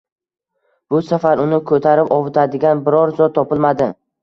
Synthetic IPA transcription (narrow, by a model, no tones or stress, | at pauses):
b̥ʊsafaɾʊnɪkʰɵt̪ʰaɾɪpɒvɪt̪ʰad̪ɪɡʲanbɪɾɒɾzɒt̪t̪ʰːɒpɪlˠmad̪ɪ